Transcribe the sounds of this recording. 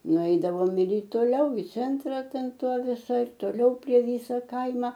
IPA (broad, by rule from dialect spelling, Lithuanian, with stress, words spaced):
nʊˈɛɪdɐʋoːm ɪr ɪ toːˈlʲɛʊ ɪ ˈt͡sʲɛntrɐ ˈtʲɛn ˈtoː ʋʲɪˈsɐɪ ɪr toːˈlʲɛʊ pʲrʲiɛ ˈʋʲiːsɐ ˈkɐɪmɐ